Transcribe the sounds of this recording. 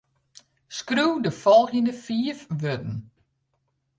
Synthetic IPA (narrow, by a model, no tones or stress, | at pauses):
skruwdəfɔlˠɣjənəfiːəfʋøtn̩